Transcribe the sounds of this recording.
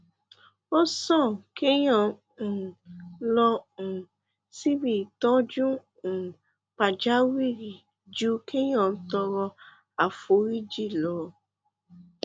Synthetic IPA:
o˦sɔ̃˦˨ke˦ɲɔ˦˨ | n̩˨lɔ˧n̩˨ | si˦βi˨tɔ˦d͡ʒu˦ | n̩˨ | pa˨d͡ʒa˦wi˦ɾi˨ | d͡ʒu˦kʰe˦ɲɔ˨n̩˦tɔ˧ɾɔ˧ | a˨fo˨˦ɾi˦d͡ʒi˦˨lɔ˨˦

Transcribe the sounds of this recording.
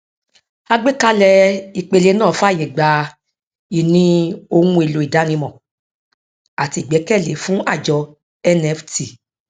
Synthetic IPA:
a˧ɡ͡be˦ka˧˦lɛ˧i˧˨k͡pe˧le˧˦nãː˦˨fa˦˨je˨ɡ͡ba˨ | i˨nĩ˧o˧hũ˧˦e˧lo˨˧i˨da˨˦nĩ˧mɔ̃˨ | a˨ti˧˦˨ɡ͡bɛ˨˦kɛ˦˨le˨˦fũ˦a˦˨d͡ʒɔ˧ | ɛ˦nɛ˧˦fti˨

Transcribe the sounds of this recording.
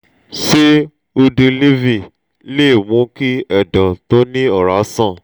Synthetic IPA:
ʃe˦ | o˧de˧li˦vi˦˨ | le˦˨wũ˨˧˦ki˦ɛ˦˨dɔ̃˨to˦nĩ˦ɔ˦˨ɾa˨˦sã˦˨

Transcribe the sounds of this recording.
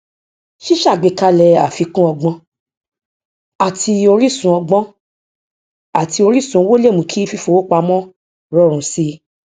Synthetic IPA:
ʃi˦ʃa˦˨ɡ͡be˨ka˧lɛ˧a̰˨fi˧kũ˦ɔ˧ɡ͡bɔ̃˧ | a˨tʰi˧o˧ɾi˦sũ˨˧ɔ˧ɡ͡bɔ̃˧˦ | a˨ti˧o˧ɾi˦˨sũ˧˦wo˦le˦˨mũ˧˦kʰi˦fi˦fo˧o˦k͡pa˧mɔ̃˦ | ɾɔ˦˨ɾ̃ũ˨˧si˦

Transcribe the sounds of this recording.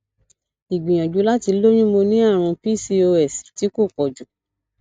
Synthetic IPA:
i˨ɡ͡bĩ˨j̃ã˨d͡ʒu˨˦la˦ti˧lo˦ɲ̃ũ˦mo˧nĩ˦a˦˨ɾ̃ɔ̃˧pi˦˨si˧o˧ɛ˦˨sti˨˦ko˦˨kɔ˨d͡ʒu˨

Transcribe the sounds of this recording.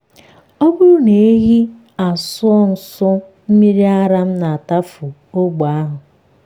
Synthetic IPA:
o˦bʊ˦ɾʊ˦ne˨e˦ɦi˦ | a˨sʊ˦ɔ˦n̩˨sʊ˦ | m̩˦mi˦ɾi˦a˦ɾa˦m̩˦na˨a˨ta˦fʊ˨o˦ɡ͡ba˨a˦ɦʊ˨

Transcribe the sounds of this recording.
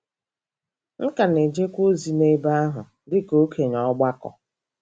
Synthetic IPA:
ŋ̩˦ka˨ne˨d͡ʒe˦kʷo˦zi˨ne˦ba˦a˦ɦʊ˨ | dɪ˦ko˦kʰe˨ɲɔ˨˦ɡ͡ba˦kɔ̰˨

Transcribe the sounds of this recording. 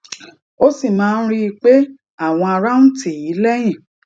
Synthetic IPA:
o˦si˦˨mãː˦˧n̩˦ɾi˦i˧k͡pe˦ | a˦˨w̃ɔ̃˧a˧ɾa˦nũ˦tʰi˨i˨˦lɛ˦j̃ĩ˦˨

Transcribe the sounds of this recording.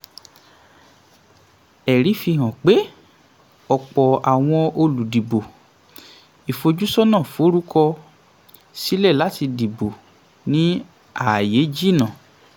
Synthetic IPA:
ɛ˨ɾi˨˦fi˧ɦã˨k͡pe˦ | ɔ˨k͡pɔ˨a˨w̃ɔ̃˧o˧lu˨di˨bo˨ | i˨fo˧d͡ʒu˦sɔ˦nãː˦˨fo˨˦ɾu˦kɔ˧ | si˦lɛ˦˨la˨˦ti˧di˨bo˨ | nĩ˨˦ | a˨je˨˦d͡ʒi˦˨nã˨

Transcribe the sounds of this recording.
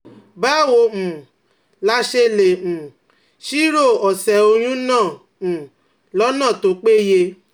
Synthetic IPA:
ba˦˨wo˧˨m̩̃˨ | la˧˦ʃe˧lẽ˨ | ʃi˦ɾo˦˨ɔ˨sɛ˨o˧j̃ũ˦nãː˦˨ | lɔ˦nã˦˨to˧˦k͡pe˦je˧

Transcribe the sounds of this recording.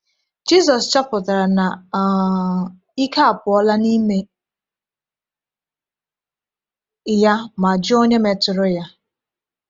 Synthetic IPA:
d͡ʒi˦z̬ɔ˨st͡ʃa˦pʊ˨ta˨ɾa˨na˨ | i˦ka˦a˨pʊ˨ɔ˦la˦ni˦me˦ | ja˦ma˨d͡ʒɪ˦o˦ɲe˦me˨tʊ˨ɾʊ˦ja˦

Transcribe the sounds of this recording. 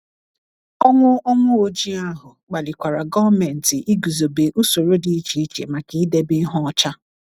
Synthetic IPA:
ɔ˦ŋʷʊ˦ɔ˦ŋʷʊ˦o˨d͡ʒi˦a˦ɦʊ˨k͡pa˨li˨kʷa˨ɾa˨ɡɔ˦vme˨n̩˨tɪ˨ʔi˦ɡu˨zo˨be˨ʔu˦so˨ɾo˦di˦i˦t͡ʃi˨i˦t͡ʃe˨ma˨ki˦i˦de˦bɪ˦ɦɔ˦ɔ˦t͡ʃa˦

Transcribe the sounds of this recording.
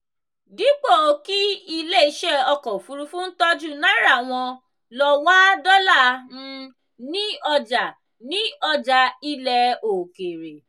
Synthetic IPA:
di˨˦k͡po˦˨ki˦i˧le˦˨i˧˦ʃɛ˦˨ɔ˧kɔ˨fu˨˦ɾu˧fũ˦n̩˦tɔ˦d͡ʒu˦˨nã˦ɾa˦˨w̃ɔ̃˧ | lɔ˧wa˦dɔ˦la˦˨ñ̩˧ | nĩ˦ɔ˧d͡ʒa˨ | nĩ˦ɔ˧d͡ʒa˧i˦lɛ˧o˨ke˨ɾe˨

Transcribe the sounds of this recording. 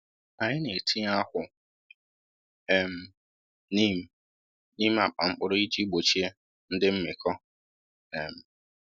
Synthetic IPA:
a˨ɲɪ˦ne˨tʰi˦a˦hʊ˨ | e˨m̩˦ | ni˦m̩˦ | ni˦m̩˦a˨k͡pa˨mŋ͡m̩˦k͡pʊ˦ɾʊ˦i˦d͡ʒi˦ɡ͡bo˨t͡ʃi˦e˦ | n̩˦dɪ˦m̩˦mɪ˨kɔ˦ | e˨m̩˨

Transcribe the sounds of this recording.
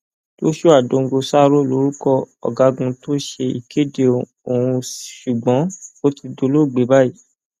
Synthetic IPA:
to˦ʃo˦a˨dõ˨˧ŋ̩˧ɡo˧sa˦˧ɾo˦˨lo˨˦ɾu˦kɔ˦ɔ̰˨ɡa˨˧˦ɡũ˧to˦ʃe˧ḭ˨ke˦de˧ | o˨hũ˧ʃu˨ɡ͡bɔ̃˨˦o˦ti˧do˧lo˦˨ɡ͡be˨˦ba˦i˦

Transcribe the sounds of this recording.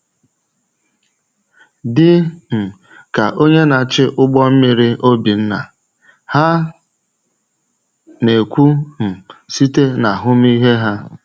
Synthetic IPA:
dɪ˦m̩˨ | ka˨ʔo˦ɲe˦na˨t͡ʃɪ˦ʔʊ˦ɡ͡bɔ˦m̩˦mi˨ɾi˦ʔo˦bi˨n̩˦na̰˨ | ha˦ | ne˨kʷu˦m̩˨si˦te˦na˨ɦʊ˦m˦i˦ɦe˦ɦa˦

